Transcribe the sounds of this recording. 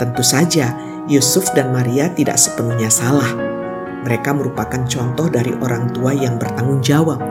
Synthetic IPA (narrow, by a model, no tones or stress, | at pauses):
t̪ənt̪usad͡ʒa | jusʊfdanmaɾiat̪ida̰ʔsə̥pənuhɲasalah | məɾekaməɾupakant͡ʃɔnt̪ɔhdaɾḭʔoɾaŋt̪uajaŋbərt̪aŋʊŋd͡ʒawap̚